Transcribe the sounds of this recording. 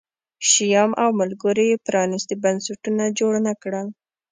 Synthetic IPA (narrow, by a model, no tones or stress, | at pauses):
ʃijɑmʔawmalɡəɾejepɾɑnist̪ebansaʈunad͡ʒoɽnakɽəl